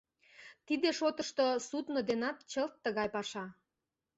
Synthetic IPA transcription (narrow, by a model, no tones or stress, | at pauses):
t̪id̪eʃot̪əʃt̪osut̪nod̪enɑt̪t͡ɕəlt̪ːəɣɑjpɑʃɑ